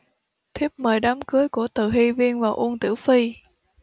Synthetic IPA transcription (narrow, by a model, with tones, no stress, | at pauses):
t̪ʰi˦˥əp̚məː˨˩jɗaː˨˦mkɨ˨˦əjku˧˩ət̪ɨ˨˩ɦi˧vi˧ənvaː˨˩wʔu˧ənt̪ɨ̰˧˩əwfi˧